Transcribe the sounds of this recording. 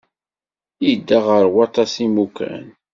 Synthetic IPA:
jid̪ːaʁəɾwɑt̪ˤɑsimukæ̰n

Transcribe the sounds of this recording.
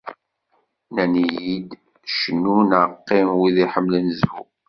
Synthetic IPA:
nænijid̪ | ʃənːunʕəqːɪmwiðiħəmːlənzvṵ

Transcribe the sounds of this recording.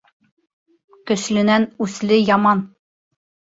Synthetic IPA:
kɵ̆ʃlɘ̆nænʉslɘjɑmɑn

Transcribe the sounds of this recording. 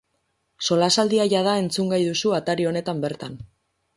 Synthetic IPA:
so̞lasald̪iajað̞ae̞nt͡suŋɡajðusuat̪aɾio̞ne̞t̪ambe̞ɾt̪an

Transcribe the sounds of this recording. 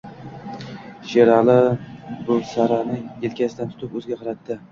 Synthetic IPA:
ʃeɾɑlˠɪbʊsaɾanɪelkʲʰasɪd̪ant̪ʰʊ̥t̪ʰɪpɵzɡʲaqʰɑɾat̪ʰːɪ

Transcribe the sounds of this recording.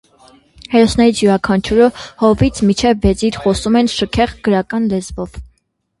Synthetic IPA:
hɛɾɔsnɛɾit͡sʰjuɾɑkʰɑnt͡ʃʰuɾəhɔvit͡sʰmit͡ʃʰɛvːɛt͡siɾχɔsumɛnʃəkʰɛʁɡəɾɑkɑnlɛzvɔv̥

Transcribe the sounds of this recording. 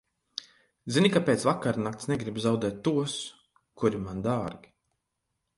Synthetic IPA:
zinʲikapeːt̪svakaɾnakt̪snɛɡɾibzawd̪ɛːt̪ːuɔs | kuɾimand̪aːɾɡʲi

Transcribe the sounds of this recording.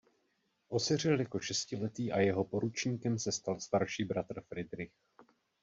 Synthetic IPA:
ʔo̞sɛr̝ɪljako̞ʃɛscɪlɛt̪iːʔajɛɦopo̞ɾut͡ʃɲiːkɛmsɛst̪alst̪aɾʃiːbɾat̪r̩fɾɪd̪ɾɪx

